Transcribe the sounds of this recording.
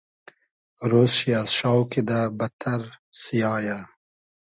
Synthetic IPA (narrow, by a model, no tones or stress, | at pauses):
ɾoːsɕiasʂaːwkid̪abɐt̪ʰɐɾsijaːja